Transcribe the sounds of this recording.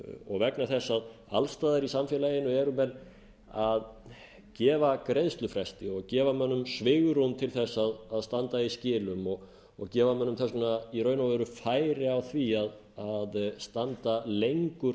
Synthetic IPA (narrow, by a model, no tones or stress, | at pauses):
ɔ̰ɣvɛknaθɛsːað | alst̪aːðaɾisamfjɛːlaeɪnːʏɛɾʏmɛn | að | cɛːvakɾejðst̪lʏfɾɛst̪ɪɔɣcɛːvamœnːʏmsvɪːɣʏɾhunt̪ʰɪlθɛsːaðaðst̪ant̪aiscɪːlʏmɔɣ | ɔɣcɛːvamœnːʏmθɛsnaiɾœːɥnavœɾʏfaːjɾɪawθviað | aðst̪ant̪alejŋkʏ